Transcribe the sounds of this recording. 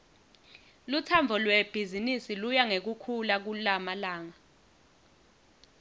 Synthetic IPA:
lutʰamvʱɔlwɛb̥ʱizinisilujaŋek̬ukʰulak̬ulamalaːŋa

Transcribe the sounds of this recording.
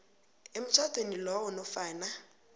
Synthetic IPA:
em̩t͡sʰwatʼwenilɔɔnɔfaːna

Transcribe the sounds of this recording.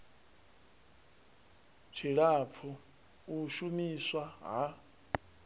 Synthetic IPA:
t͡ʃʰiɺap̪fʰu | uʃumiswaɦa

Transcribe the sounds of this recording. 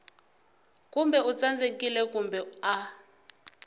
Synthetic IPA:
kumbɛut͡sand͡zekilɛkumbɛa

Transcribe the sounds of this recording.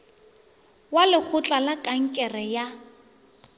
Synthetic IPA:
walɪk͡xʰʊt͡ɬʼalakʼaŋ̩kʼɛrɛja

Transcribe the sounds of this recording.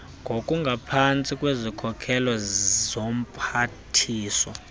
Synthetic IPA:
ŋɡʱokʼuŋɡʱapʰant͡sʼikʼwezikʰɔkʰɛlɔzom̩pʰatʰiːsɔ̰

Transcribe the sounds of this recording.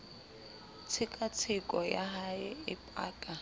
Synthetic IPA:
t͡sʰɪkʼat͡sʰɪkʼɔjaɦaɪɪpʼa̰ːkʼa

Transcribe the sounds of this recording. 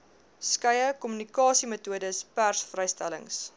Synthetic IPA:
skɐjəkɔmynikɑːsimətuədəspærsfrɛjstæ̰lə̰ŋs

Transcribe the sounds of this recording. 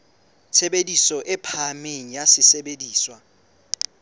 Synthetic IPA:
t͡sʰeɓedisɔʔɛpʰameŋ̩jasɪseɓediːswa

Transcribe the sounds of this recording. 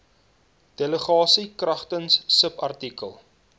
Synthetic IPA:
d̥eləχɑːsikrɐχtənsːəpɐrtikəlˠ

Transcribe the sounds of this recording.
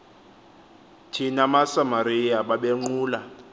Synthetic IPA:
tʰinamasamaɾijaɓaɓeŋ͡ǃuːla

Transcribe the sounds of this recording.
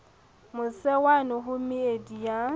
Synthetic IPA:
mʊsɛwanɔɦʊmɪedija

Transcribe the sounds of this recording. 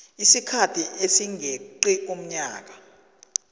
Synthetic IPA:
isikʰatʰiʔesiŋʱeǃiʔom̩ɲa̰ːk̬a

